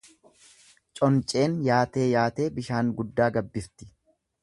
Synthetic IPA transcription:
t͡ʃʼɔnt͡ʃʼe̞ːnjaːt̪e̞ːjaːt̪e̞ːbɪʃaːŋɡʊd̪ːaːɡɐbːɪɾt̪ɪ̥

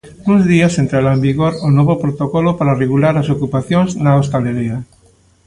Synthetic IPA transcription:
nũzðiɐsent̪ɾaɾaẽmbiɣoɾonoβopɾot̪okɔlopaɾareɣulaɾasokupaθjoŋznaost̪aleɾea

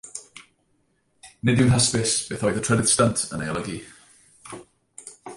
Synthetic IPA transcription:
nɪdjunɦaspɪsb̥ɪθɔjðətʰɹ̥ɛdɪtstantʰə̰na̰jlˠəɡi

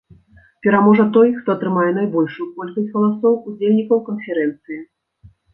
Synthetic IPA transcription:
pʲɛɾamɔʐɐt̪ɔjxt̪ɔɐt̪ɾɨmajɛnajbɔlʲʂujukɔlʲkɐsʲt͡sʲɣɐlˠasɔwud͡zʲelʲnʲikɐwkɐnfʲɛɾɛnt̪sɨji

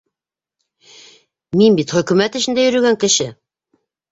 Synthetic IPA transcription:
minbit̪χɵ̆kʉmæt̪ɘ̆ʃɘ̆nd̪æjɵ̆ɾɵ̆ɡæŋkɘ̆ʃɘ

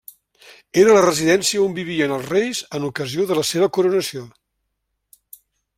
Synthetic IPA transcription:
eɾələrəziðɛnsiəombiβ̞iənəlˠzrejzənukəzioðələseβ̞əkuɾunəsio

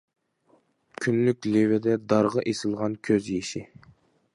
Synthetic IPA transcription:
kʲʰynlykʲlevɪd̪ɛd̪ɑɾʁɑʔesɪlˠʁɑnkʲʰøzjeʃɪ

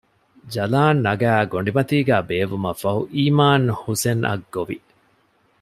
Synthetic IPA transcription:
d͡ʒɐlaːnːɐɡæːɡoɳɖimɐt̪iːɡæːbeːʋumɐfɐɦuʔiːmaːnhusenʔɐ̰ɡːoʋḭ

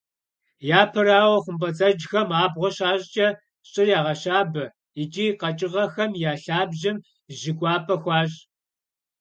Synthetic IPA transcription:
jaːpʰɐraːwɐχʷʊmpɐt͡sʼɐd͡ʒxɐmaːbʁʷɔɕaːɕʼt͡ʃʼɐ | ɕʼɨjaːʁɐɕaːbɐ | ɪt͡ʃʼiːqɐt͡ʃʼɪʁɐxɐmjaːɬaːbʒɪm | ʒɪkʷʼɑːpʰʼɐxʷɑːɕʼ

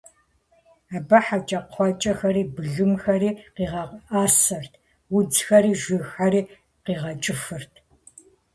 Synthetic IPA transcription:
aːbɐħat͡ʃʼɐqʰʷɑt͡ʃʼɐxɐɾiːbɨɮɨmxɐɾiːqiːʁɐaːsɐrtʰ | wʊd͡zxɐɾiːʒʷɪxariː | qiːʁɐt͡ʃʼɪfɨrtʰ

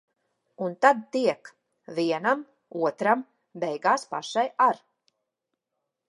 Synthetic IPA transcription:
unt̪ad̪̚t̪iɛk | viɛnam | uɔt̪ɾam | bɛjɡaːspaʃajaɾ

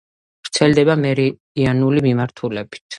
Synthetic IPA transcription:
v̥ɾt̪sʰɛld̪ɛbamɛɾi | ianulimimaɾt̪ʰulɛbi̥t̪ʰ

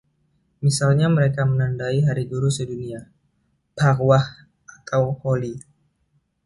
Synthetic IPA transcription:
misalɲaməɾekamənandaiɦaɾiɡuɾusədunia | b̥arwah | ʔat̪ʰawholi

